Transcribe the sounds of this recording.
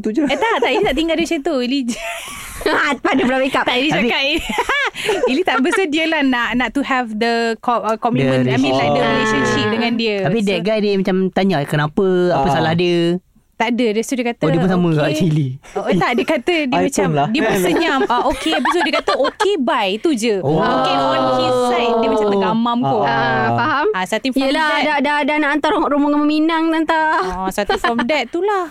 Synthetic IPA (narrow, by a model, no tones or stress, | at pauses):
t̪ud͡ʒt̪at̪aʔiit̪aʔt̪̬iŋɡaldit͡ʃənt̪uilid͡ʒ | padəbəɾapəikat̪aʔilisakai | ilit̪aʔbəsədiəlahnaʔnaʔt̪uhɛvd̪əkɔkɔmplimə̃amĩlajdəɾileʃənʃip̚dəŋãndiət̪apidɛɡajdiəmat͡ʃamt̪aɲaʔkənapəapəsalahdiə | t̪aʔdədət̪udiəkat̪ədiəbəsamə̃kat͡ʃilit̪aʔdiəkat̪ədiət͡ʃamldiəbasəɲamaokebəsudiəkat̪əokebajt̪ud͡ʒəookewɔnisajt̪̚diəmaaamɡamamkuafaɦamasat̪iŋfjəladadadanaʔant̪aɾuʔɾuməŋəməminaŋdant̪aɔsatfɔdɛt̪̚t̪ulah